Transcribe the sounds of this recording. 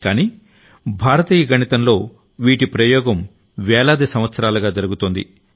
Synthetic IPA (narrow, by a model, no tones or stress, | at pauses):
kaːniː | bʱaːɾɐt̪iːjɐɡʱɐɳit̪ɐmlo̞ː | ʋiːʈipɾɐjɔːɡɐm | ʋɛːlaːd̪esɐmʋɐt̪sɐɾaːlɐɡaːd͡ʒɐɾuɡut̪oːnd̪ḭ